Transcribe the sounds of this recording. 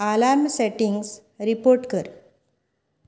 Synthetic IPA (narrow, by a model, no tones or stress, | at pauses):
alaɾmseʈiŋɡs | ɾipoɾʈkəɾ